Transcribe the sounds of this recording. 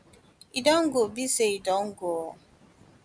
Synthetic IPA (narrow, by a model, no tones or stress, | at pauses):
idɔŋ̩ɡobiseidɔŋ̩ɡoɔ